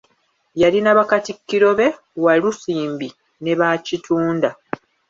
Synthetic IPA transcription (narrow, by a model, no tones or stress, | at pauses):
jalinaβakatikːiɾo̞βe̞ | walusiːmbi | ne̞βacitʰuːnda